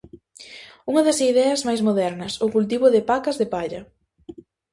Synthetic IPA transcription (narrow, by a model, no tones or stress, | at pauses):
uŋɐðɐsiðɛɐzmajzmoðɛɾnɐsʊkult̪̬iβʊðɪpakɐzðɪpaʎɐ